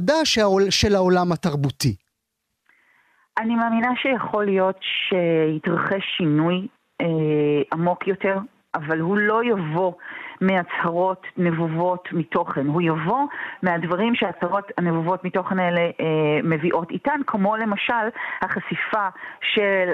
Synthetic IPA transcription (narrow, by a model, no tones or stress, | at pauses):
daʃeaoʃelaolamhatɐʁbuti | ʔanimaːminaʃejaχo̞lijo̞tʃehitʁaχeʃːinuj | eamo̞kjo̞te̞ʁ | ʔavalɦulo̞javo̞meat͡shaʁo̞tnevuvo̞tmito̞χenɦujavo̞meadvaʁimʃeat͡shaʁo̞thanevuvo̞tmito̞χeneleme̞viʔo̞titankʰmo̞le̞maʃalhaχasifaʃe